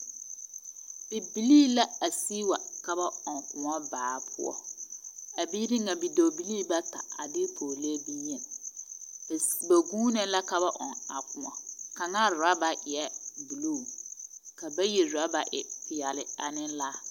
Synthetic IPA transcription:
bɪ˨bi˨liː˦la˦a˨si˦wa˨ka˦ba˦ɔ˨ŋkʊ˨mɔ˦baː˨pʰʊ̰˦ɔ̰˦ | a˨bi˦ɾi˦ŋa˨bi˨do˨bi˦liː˦ba˦ta̰˨a̰˨dɪ˦pʰoː˨le˦bi˦ɲ˦ɛ˨ | bba˨ɡuː˦nɛ˦la˦ka˦ba˦ʔɔ̰˨ŋa˨kʊ˨mɔ̰˨ka˨ŋa˦ɾʊ˨ɾa˦ba˨ʔɪ˨ɛ˦bu˨lu˦˨ka˨ba˦je˨ɾʊ˨a˦ba˨ʔɪ˨pɪ˨ja˨lɪ˨a̰˨nɪ̃˦nlaː˦

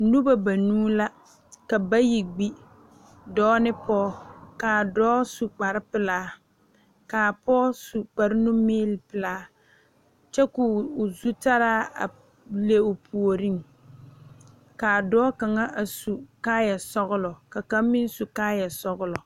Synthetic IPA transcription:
nu˦ba˦ba˨nuː˦la˦ | ka˨ba˦ji˨ɡ͡bi˦ | dɔː˦nɪ˦pɔː˦kaː˨dɔː˦su˨k͡pa˨ɾɪ˦pɪ˨laː˦ | kaː˨pɔː˦su˨k͡pa˨ɾɪ˦nu˦meː˦lpɨ˨laː˦ | t͡ʃɛ˦kʊː˨zu˦ta˦ɾaː˦a̰˨ | le˦ʊ˨pʰu˨o˨ɾi˦ŋ | kaː˨dɔː˦ka˨ŋa˦ʔa˨su˨kaː˦ja˨sɔ˦ɣʊ˦lɔ˨ka˨ka˦mɪ˦n˦su˨kaː˦ja˨sɔ˦ɣʊ˦lɔ˨

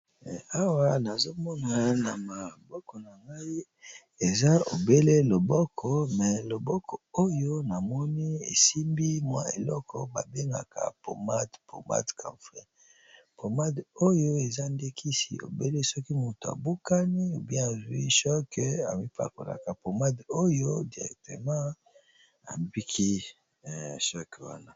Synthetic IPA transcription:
a˦wa˨na˨zo˦mɔ˦na˨na˨ma˨bɔ˦kɔ˨na˨ŋɡa˦i˦ | e˨za˦o̰˨be˦le˦lo˨bɔ˦kʰɔ˨mɛ˨lo˨bɔ˦kʰɔ˨o˦jo˦na˨mɔ˦ni˦ḛ˨si˦mbi˦mwa˦ḛ˨lɔ˦kʰɔ˦ba̰˨be˦ŋɡa̰˨ka̰˨po̰˨ma˦dpo̰˨ma̰˦tkʰa̰˨fʁɛ˦ | po˨ma˦do˦jo˦e˨za˦nde˦kʰi˦sḭ˨o̰˨be˦le˦sɔ˦ki˦mu˨to˨a̰˨bu˦ka˦ni˦o˨bjɛ̃˦a˨zu˨i˦ʃɔ˦ka̰˨mi˦pa̰˨ko̰˨la̰˨ka˨po˨ma˦do˦jo˦di˨ʁɛ̰˨k̚tə˨mã˦ | a̰˨bi˦kʰi˦˨ | ʃɔ˦kwa̰˦na˨

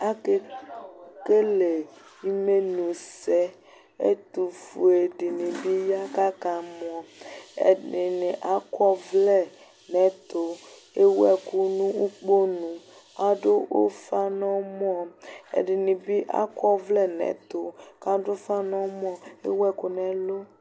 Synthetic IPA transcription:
a˦ke˦ | ke˦le˨ | i˦me˦nũ˨sɛ˦ | ḛ˦t̪u˨fu˨e˨di˨nĩ˨bi˦ja˦ka˦ka˨mɔ˨ɔ˨ɛ̰˨ɪ˨nɪ̃˨ʔa˨kwɔ˦vlɛ˦˨ | nɛ̃˨˦t̪o˨ | e˦wɛ˦ku˦nũ˦u˦k͡po˦nũ˨a˨do˦ʔo̰˦fa˦nɔ̃˦m˦ɔ˨ɛ̰˨dɪ˨nĩ˨bi˦ʔa̰˦kɔ˦vlɛ˦˨nɛ̰̃˨t̪o˨ka˦dʊ˦fa˦nɔ̃˦m˦ɔ̃˦ḛ˦wɛ˦ku˨nɛ̃˨lo˦

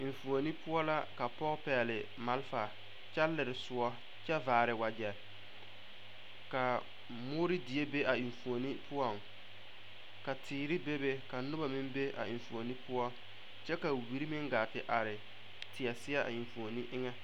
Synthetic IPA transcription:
ɪ˨ɱ˨fu˨o˨ni˦pʰʊ˦ɔ˦la˦ka˨pɔ˦ɣpɛː˨lɪ˨ | ma˦lfa˨ | t͡ʃa˦lːɪ˨ɾɪ˨sʊ˨˦ɔ˦ | t͡ʃɛ˦vaː˨ɾɪ˨wa˨d͡ʒɛ˨ | ka˨ | mʊ˦ɾɪ˦di˨e˦be˦a˨i˨ɱfu˨o˨ni˦pʰʊ˦ɔ˦˨ŋ | ka˨tʰiː˨ɾɪ˦be˦be˦ka˨nʊ˦ba˨mɪ˦mbe˦ʔa̰˨ɪ˨ɱ˨fu˨o˨ni˦pʰʊ˦ɔ˦ | t͡ʃɛ˦ka˨wi˨ɾi˦mɪ˦ŋɡa˨tɪ˨ʔa˨ɾɪ˨ | tʰɪ˨ɛ˨sɪ˦ɛ˦a̰˨i˨ɱ˨fu˨o˨ni˦ʔɪ˦ŋɛ˦

